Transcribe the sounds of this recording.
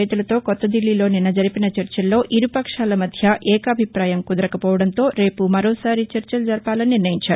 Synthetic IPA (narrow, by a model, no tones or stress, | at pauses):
ɐjt̪ulɐt̪o̞ːkɔt̪ːɐd̪ilːilo̞ːninɐd͡ʒɐɾipinɐt͡ʃɐɾt͡ʃɐlːo̞ːʔiɾupɐkʂaːlɐmɐd̪ʱjɐʔɛːkɐbʱipɾaːjɐmkud̪ɐɾɐkɐpɔːʋɐɽɐnt̪o̞ːɾe̞ːpumɐɾoːsaːɾit͡ʃɐɾt͡ʃɐlud͡ʒɐɾpaːlɐnniɾnɐjiɲt͡ʃaːɾu